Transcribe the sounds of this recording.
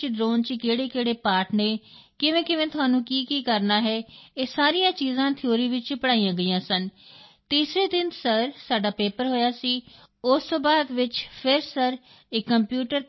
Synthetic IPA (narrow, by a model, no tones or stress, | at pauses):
t͡ʃɖɾoːnt͡ʃkeːɽeːkeːɽeːpaːʈneːkɪʋẽːkɪʋẽːt̪ʊɦaːnũːkiːkiːkəɾnaːɦɛːeːsaːɾijãːt͡ʃiːzãːt̪ʰɪoːɾiːʋɪt͡ʃpəɽaːijãːɡəiːãːsənt̪iːsɾeːd̪ɪnsəɾsaːɖaːpeːpəɾɦoːjaːsiː | ʊst̪oːbaːd̪ʋɪt͡ʃpʰɪɾsəɾ | eːkəmpjuːʈəɾ